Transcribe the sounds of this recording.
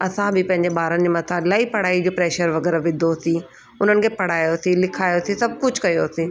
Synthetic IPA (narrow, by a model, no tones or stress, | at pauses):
ɐsãbɪpɐ̃ɦɪ̃ɲd͡ʑeɓaːɾənɪd͡ʑeːmɐt̪ʰalaːipɐɽ̤aːid͡ʑoːpɾɛːʃəɾʋɐɡɛːɾaʋɪ̃d̪ʱosĩ | ʊn̤ənɪ̆kʰepɐɽ̤aːjosĩlɪkʰaːjosĩsɐb̚ʱkʊd͡ʑʱkɐjosĩː